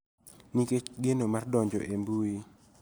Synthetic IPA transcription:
niket͡ʃɡenomardɔɲd͡ʒɔ̰ʔembui

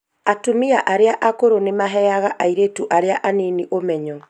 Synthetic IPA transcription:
atumiaʔaɾeaʔakoɾonemaɦɛjaɣaʔaiɾetuʔaɾeaʔaniniʔomɛɲɔ

